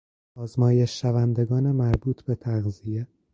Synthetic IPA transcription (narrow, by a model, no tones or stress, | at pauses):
ɒːzmɒːje̞ʃːævænd̪e̞ɡɒːnemæɾbuːt̪ʰbe̞t̪ʰæɣzije